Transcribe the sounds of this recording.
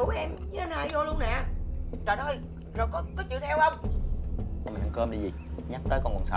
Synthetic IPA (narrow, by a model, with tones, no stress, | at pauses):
u˨˦wʔɛ˧mznaː˧˩jzo˧lu˧ənɛ˨t̪aː˧˨˩t̪ʰo˧j | zo˨˩jkɔ˨˦kɔ˨˦t͡ɕḭ˧˨wt̪ʰɛ˧whə˧wŋ͡m | mï˨˩˨ə̰˨˧˩kəː˧mɗi˧zi˨˩ɲa˦˥t̚t̪əː˨˦kɔ˧nkwə̰˨˩nsa̰˧